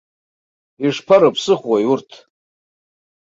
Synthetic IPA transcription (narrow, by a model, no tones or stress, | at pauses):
iʂpʰaɾopʰsɨχwajurtʰ